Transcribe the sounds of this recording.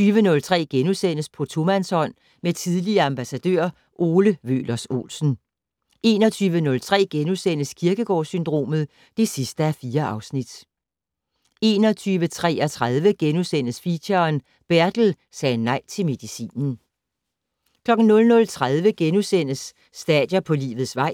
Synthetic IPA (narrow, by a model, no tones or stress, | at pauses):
yːʋənɔ̽lt͡sʰʁɛ̰ːɡ̥enusen̰əspʰɒ̽t͡sʰo̝mænsɒ̽n̰ | met͡sʰiðˠliɐɑ̈mb̥æsæd̥ø̰ɐ̰ | ʔo̝ːləʋø̰ːlɐso̝̰ːlsn̩ | e̝ːnɒ̽t͡sʰyːʋənɔ̽lt͡sʰʁɛ̰ːɡ̥enusen̰əskʰiɐɡ̥əɡ̥ɒ̰ːsynd̥ʁo̝̰ːmð̞̩ˠ | d̥e̝sisd̥əæfiːɐʔɑ̈ʊsnid̥ | e̝ːnɒ̽t͡sʰyːʋət͡sʰʁɛ̰ːɒt͡sʰʁaðˠʋəɡ̥enusen̰əsfiɕɐn | b̥æɐd̥l̩ | sɛːnɑ̈ɪ̰t͡sʰe̝lme̝ðˠisḭːnn̩ | kʰlɒ̽ɡ̥n̩nɔ̽lnɔ̽lt͡sʰʁaðˠʋəɡ̥enusen̰əsː | d̥ɛd̥jɐpʰɒ̽lḭːʋð̩ˠsʋɑ̈ɪ̰